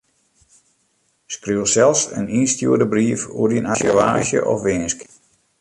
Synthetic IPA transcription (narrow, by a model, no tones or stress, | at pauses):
skryəsɛlˠsə̰ninstjuədəbriəfṵdinasjəʋa̰ːʃjə̰ʔɔ̰fʋɪnsk